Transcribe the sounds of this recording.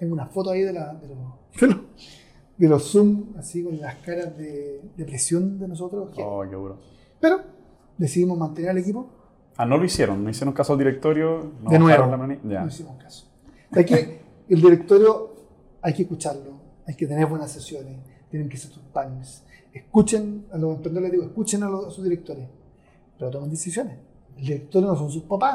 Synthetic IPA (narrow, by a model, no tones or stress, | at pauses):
t̪eŋɡunafot̪oaiðelaðelo | d̪̥elo | d̪elosumasikonlahkaɾazðed̪epɾesjo̞nd̪enos̬ot̪ɾoeokeðuɾo | peɾo | d̪esiðimozmant̪eneɾalekipo | anoloisjeɾonːoisjeɾoŋkasoald̪iɾek̚t̪oɾjonod̪enweβolamnja̰noisimokaso̥ | d̪ake | eld̪iɾek̚t̪oɾjo | ajkehkut͡ʃaɾlo | ajket̪eneɾbwenasːesjonest̪jeneŋkeaseɾt̪uspanes | ehkut͡ʃenalosant̪ond̪leðiɣoehkut͡ʃenaloasuðiɾek̚t̪oɾe | peɾot̪omand̪isisjones | eld̪iɾek̚t̪oɾjonos̬ons̬uspapa